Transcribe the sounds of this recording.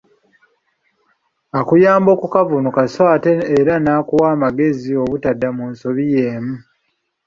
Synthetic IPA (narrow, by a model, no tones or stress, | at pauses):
akujaːmbo̞ːkukavunukasaːteːɾanaːkuwaːmaɡe̞zio̞βutadːamunso̞βijeːmu